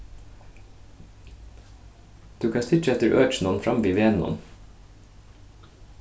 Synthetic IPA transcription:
d̪̥ʉːkʰɑst̪ʰɪt͡ʃɛt̪əɾʔøːt͡ʃn̩ɔnfɹɑmʋiːʋeːnɔ̰n

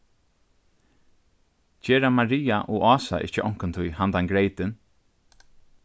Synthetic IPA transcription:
cɛːɾamaɾiːaʔɔɔːsa̰ʔɪ̰ht͡ʃəʔɔŋ̥kʊnt̪ʰʊjhand̪aŋɡɾejt̪ɪn

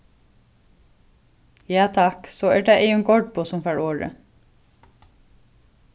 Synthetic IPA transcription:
jɑːt̪ʰɑksoːæːɖeːʔeɪʉnɡɔɖ̚boːsɔmfæːɹoːɹə̰

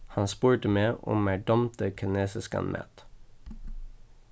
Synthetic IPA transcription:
hɑnspʉːʈəmeːʔɔ̰mmæɖɔmt̪əkʰəneːsəskɑ̰nmʔæ̰t̪

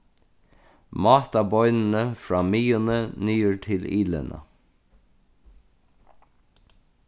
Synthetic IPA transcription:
mɑːt̪ɑbɔʏnn̩əfɹɑːmiːənənyːəɹʈʰɪliːlə̰nə̰

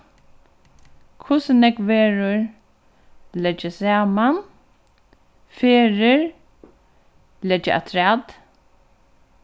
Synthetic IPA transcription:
kʰʊsɪnɛkʋeːɾʊɹ | lɛd͡ʒasaːman | feːɾɪɹ | lɛd͡ʒaʔa̰t̪ʰɾad̪

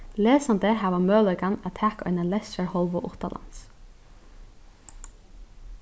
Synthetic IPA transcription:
leːsɑnd̪əhæːʋɑmøːlœʏkɑnæːt̪ʰæːkʔœ̰ʏnɑlɛsəɹhɔlʋʊʔʊt̪ɑlɑ̰ns

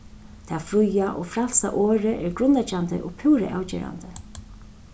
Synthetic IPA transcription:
t̪ʰafɾʊjaʔɔɣfɾal̥sa̰ʔɔːɾɪʔɛɹɡɾʊnːat͡ʃant̪ɪ̰ʔɔɣpʰuːɾɪ̰ʔaːwt͡ɕɛ̰ːɾa̰nt̪ɪ

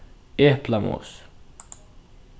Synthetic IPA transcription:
ehplamo̰s

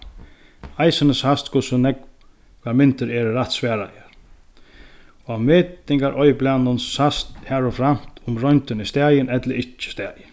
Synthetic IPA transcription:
ajsənəshast̪kʰʊsʊnɛk | kamɪnt̪əɾɛɾɾaht̪sʋɛːɾa̰ɛɾ | ɔameːt̪ɪŋkaɾʔɔjblanːʊnshast̪hæɾɔfɾam̥t̪ʰʊmɾɔjnt̪ənist̪ɛːjənɛt̪ləɾɪt͡ʃːə̥st̪ɛːjə

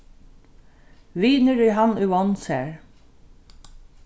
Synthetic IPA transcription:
ʋiːnəɹiːhɑnʉɔnsæ̰ːɹ

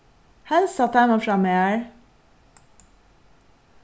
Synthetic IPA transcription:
hɛlssɑt̪ænoːfɾɑmeæɹ

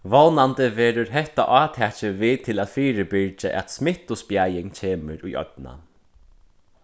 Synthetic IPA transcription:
vɔwnant̪əveːɾʊɾɦɛht̪a̰ʔɑːt̪ʰɛːt͡ʃɪviːt̪ʰɪlaːðfiːɾɪpɪɹt͡ʃɪʔɛ̰t̪smɪht̪ʊspjajɪŋcʰeːməɾujʔɔ̰t̪na̰

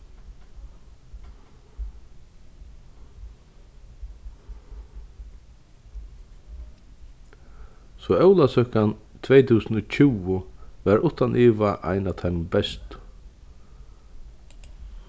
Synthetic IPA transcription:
sɔœwlasœhkant̪ʰvɛjt̪ʰuːsənʊt͡ɕʰuːʊʋɛɾʊht̪anʔiːʋaʔa̰jnat̪ʰajmbɛst̪

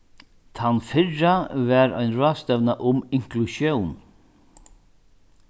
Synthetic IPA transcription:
t̪ʰanfɪɹavɛɾa̰jnɾɔːst̪ɛvnaʔʊmɪŋklusjɔwn

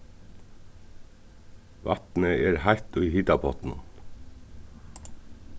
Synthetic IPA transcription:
ʋʔɑ̰t̪n̩əeːɾhɑɪt̪uiːhɪt̪ɑpʰɔt̪n̩̰n

